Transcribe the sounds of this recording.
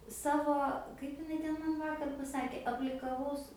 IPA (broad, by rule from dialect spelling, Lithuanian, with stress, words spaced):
ˈsɑːʋoː ˈkɐɪp ɪˈnɐɪ ˈtʲɛn ˈmɐn ˈʋɑːkɐr pɐˈsɑːkʲeː ɐpʲlʲɪkɐˈʋɐʊs